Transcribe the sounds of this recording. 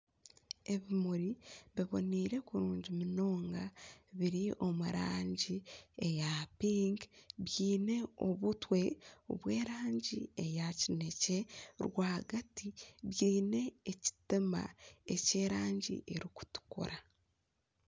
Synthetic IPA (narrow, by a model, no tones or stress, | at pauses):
e̞βimuɾiβiβo̰niːɾe̞kuɾuːɲɟimuno̞ːŋɡaβiɾiʔo̞muɾaːɲɟie̞japiːŋɡβjiːne̞o̰βutwe̞o̰βwe̞ːɾaːɲɟḭejacine̞ce̞ɾwaːhaɡatiβjiːne̞ːci̥tima̰ece̞ːɾaːɲɟḭʔeɾiku̥tu̥kṵɾa